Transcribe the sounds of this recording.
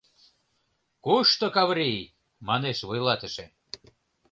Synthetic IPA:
kuʃt̪okɑβɾij | mɑneʃβojlɑt̪ə̆ʃe

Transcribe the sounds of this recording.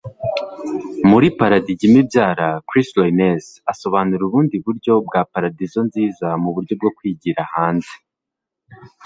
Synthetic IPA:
muɾipaɾadiɟimibjaːɾakɾislojnesaso̞βaːnuɾuβuːndiβuɾɟo̞bɡaːpaɾadizo̞nziːzamuβuɾɟo̞b̚ɡo̞kwiːɟiɾahaːnze

